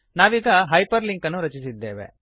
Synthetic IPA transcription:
naːʋiːɡɐɦɐjpɐɾliŋkɐnːuɾɐt͡ʃisid̪ːeːʋe̞̰

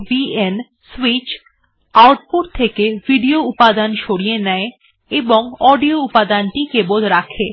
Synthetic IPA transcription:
bien | swit͡ɕ | awʈ̚puɾt̪ʰekevʱiɖioupad̪anʃoɽijenɛe | eboŋɔɖioupad̪anʈikebod̪ɾakʰe

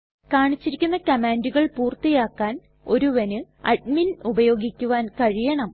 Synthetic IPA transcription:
kaːɳit͡ɕːiɾikʲːunːɐkɐmaːnduɣɐɭpuːrt̪ijaːkːaːn | o̞ɾuʋɐnɨ | ɐ̰ɖ̚minubɐjo̞ːɡikʲːuʋaːnkɐɻijɐɳɐm

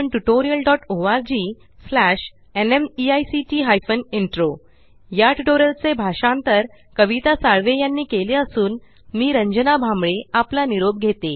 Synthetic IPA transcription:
ɳʈuʈoɾijəlɖɔʈoʋaɾd͡ʑiː | flæɕ | enemiajsiʈiːɦajfəniɳʈɾo | jaʈʈoɾəlt͡sebʱaʂãnt̪əɾ | kəʋit̪asaɭʋejanːiːkeleəsuːn | miːɾəɲd͡ʑənabʱambɭeaplaniɾob̚ɡʱet̪e

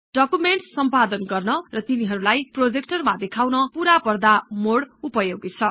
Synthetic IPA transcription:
ɖ̥ʌkumeɳʈsʌmpad̪ʌnɡʌrnʌrʌt̪iniɦʌɾulajprod͡zek̚ʈʌrmad̪ekʰawnʌpuɾapʌrd̪amoɽupʌjoɡit͡sʰʌ

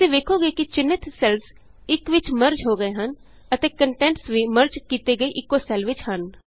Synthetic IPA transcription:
sẽːʋ̪eːkʰoːɡeːkɪt͡ʃɪnɪt̪sɛls | ɪkʋɪt͡ʃməɾd͡ʒɦoːɡəeːɦən | ət̪eːkəɳʈɛ̃ːɳʈsʋiːməɾd͡ʒkiːt̪eːɡəeːʔɪkːoːsɛlʋɪt͡ʃɦən

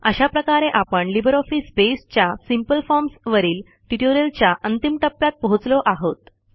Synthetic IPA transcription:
əɕapɾəkaɾeʔapəɳlibɾɔfispest͡ɕjasimpəlfɔɾmsʋəɾiːl | ʈiʈoɾəlt͡ɕjaʔənt̪imʈəpːjat̪̚pəɦut͡slɔʔaɦot̪

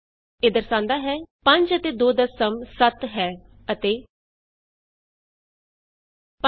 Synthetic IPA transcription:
eːd̪əɾsãːnd̪aːɦɛːpə̃ɲd͡ʒət̪eːd̪oːd̪əsəmsət̪ɦɛː | ət̪eː | p

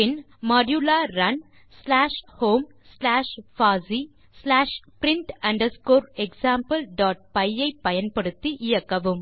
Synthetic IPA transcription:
ɪn | mɐːɖjulaːɾɐn | slaːʂhoːm | slaːʂfaːzi | slaːʂpɾɪɳʈɐɳɖɐskoːɾeksaːmpɐlɖaːʈ̚pɐjɐɪpːɐjɐnpɐɽɯt̪ːiʔɪjɐkːɐʋɯm

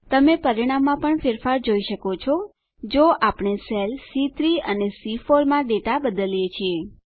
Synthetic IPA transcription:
t̪əmepəɾiɽ̃amːãpəɳfɪɾfaɾd͡ʒoiʃəkot͡ʃʰɔ | d͡ʒoʔapɳ̃eselsit̪ɾiənesifoɾmãɖeʈabəd̪əljet͡ʃʰie

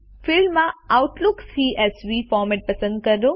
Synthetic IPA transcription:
fɪlmːãaʊʈlʊksiːʔɛsʋifɔːɾmeʈ̚pəsə̃nd̪kəɾo

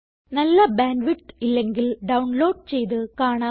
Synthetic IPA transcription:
nɐlːɐbaːnɖʋiʈilːeŋɡilɖɐwɳloːɖ̚t͡ɕejt̪ɨkaːɳa

